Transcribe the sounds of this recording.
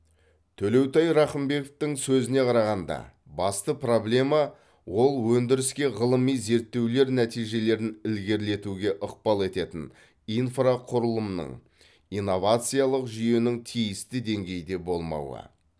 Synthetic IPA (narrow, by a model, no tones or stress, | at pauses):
t̪ʰɵle̞wt̪ɑjɾɑχəmbe̞koft̪ɪŋsɵzɪne̞qʰɑɾɑʁɑnd̪ɑ̰ | bɑst̪əpro̞blʲe̞mɑ | wo̞lˠwɵnd̪ɪɾɪskʲe̞ʁəlˠəmijze̞ɾt̪ːe̞wle̞ɾnæt̪ijʒe̞le̞ɾɪnɪlɡʲe̞ɾle̞t̪uɡʲe̞ʔəq̚pɑlˠe̞t̪e̞t̪ɪn | ijnfraqʰʊɾəlˠəmnə̰ɴ | ijno̞vat̪sɨjalˠəqʒʏje̞nɪŋt̪ʰijɪst̪ɪd̪e̞ŋɡʲe̞jd̪e̞bo̞lˠmɑ̰wə̰